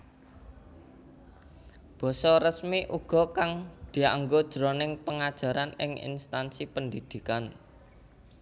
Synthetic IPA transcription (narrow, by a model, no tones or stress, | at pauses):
b̥ɔ̤sɔrəsmiʔuɡ̥ɔ̤kaŋd̪̥i̤aŋɡod̥ʒ̥ɾonɪŋpəŋad̥ʒ̥a̤ɾanɪ̰ŋḭnst̪ansipənd̪id̪̥i̤kan